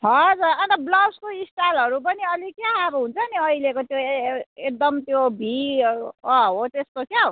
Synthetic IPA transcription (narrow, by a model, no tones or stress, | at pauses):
ɦʌd͡zarʌnt̪ʌblʌbskoisʈalɦʌɾup̬ʌniʌlikjaːbɦunt͡sʰʌniʌilekot̪joek̚d̪ʌmt̪jobʱi | ʌɦot̪est̪okjao